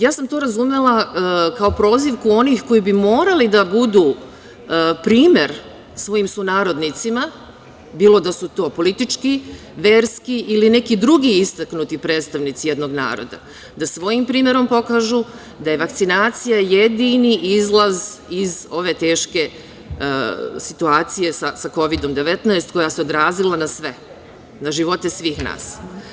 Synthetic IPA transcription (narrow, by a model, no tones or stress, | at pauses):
jaːsamt̪o̞ːɾazume̞lˠakao̞pɾo̞ːziʋkuo̞nixko̞jibimo̞ːɾalid̪abud̪uː | pɾiːme̞ɾ | sʋo̞jimsunaːɾo̞d̪nit̪sima | biːlˠo̞d̪asut̪o̞ːpo̞lit̪it͡ʃki | ʋe̞ːɾskiʔiline̞kid̪ɾuɡiist̪aknut̪ipɾe̞ːt̪st̪aʋnit̪sije̞d̪no̞ɡna̰ːɾo̰d̪a̰ | d̪asʋo̞jimpɾiːme̞ɾo̞mpo̞kaʒu | d̪ajeʋak̚t̪sinaːt̪sijajed̪iniʔizlˠazizo̞ʋe̞t̪e̞ːʃke̞ | sit̪uaːt̪sije̞sasako̞ʋid̪o̞md̪eʋet̪naest̪̚ko̞jaseo̞d̪ɾaːzilˠanasʋe̞ | naʒiʋo̞t̪e̞sʋiːxna̰ːs